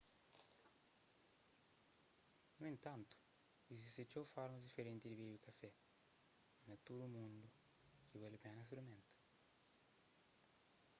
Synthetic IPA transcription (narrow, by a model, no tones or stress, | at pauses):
nuint̪ant̪u̥ | izist̪et͡ʃːɔfaɾmud̪ifeɾɛnt̪id̪iβibikafɛ | nat̪ːud̪umund̪u | k̟ivɛlepɛnas̬pɾimɛnt̪ḁ